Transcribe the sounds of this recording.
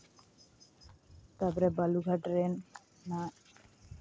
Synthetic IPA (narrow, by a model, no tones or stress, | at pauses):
t̪apɔɾebaluɡʱaʈɾenː | a